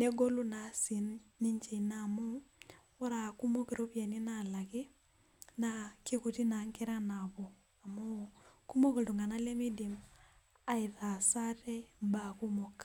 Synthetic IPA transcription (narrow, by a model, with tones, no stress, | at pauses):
ne˦ɡo˦lu˦na˨si˨nːi˦ɲt͡ʃe˨na˨mu˦ | o˦ɾa˨ku˦mo˦ki˨ɾo˦pja˨ni˦na˨la˨kɪ˦ | nake˦ku˨ti˦na˨˦ŋke˦ɾa˦na˨βo˨ | a˨mo˦ku˦mo˦ke˨du˨ŋɡa˨na˦le˦mi˦di˨m | a˨i˨ta˨sa˦tɛ˦mba˦ku˦mo˨k